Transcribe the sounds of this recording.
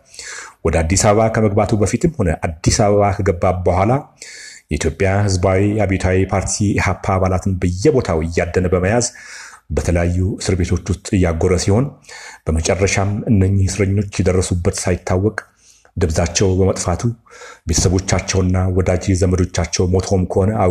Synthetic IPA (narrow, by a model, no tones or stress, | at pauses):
wɔd̪əad̪ːisaβəβakʰəməɡbat̪ʰubəfit̪ʰɨmho̞nəʔad̪ːisaβəβakʰəɡəbːabəhʷalajɛʔit̪jo̞pʼːjahɨzbawiabet̪ʰawipʰaɾt̪ʰihapʰːaːβalat̪ʰɨnbɨjːɛbo̞t̪ʰawɪjːad̪ːənəbəməjazbət̪ʰələjajːusɨɾbe̞t̪ʰo̞t͡ʃːust̪ʼɨjːaɡoɾəsiho̞nb̥əmət͡ʃʼɛrːəʃamɨnːəɲːisɨɾəɲːo̞t͡ʃːjɛd̪ərːəsubːət̪sajɪt̪ʰːawːɔkʼ | d̪ɨbzat͡ʃːɛwbəmət̪ʼfat̪ʰubet̪ʰə̥səβo̞t͡ʃːat͡ʃːɛwɨnːawɔd̪ad͡ʒezəməd̪o̞t͡ʃːat͡ʃːɛwmo̞t̪ʰo̞mkʰəhonəa